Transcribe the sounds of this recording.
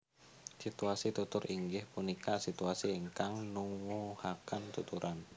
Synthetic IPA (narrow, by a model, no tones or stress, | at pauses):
sit̪uasit̪ut̪ʊɾiŋɡɪhpunikasit̪uasiəŋkaŋnuŋwuhakant̪ut̪uɾʔan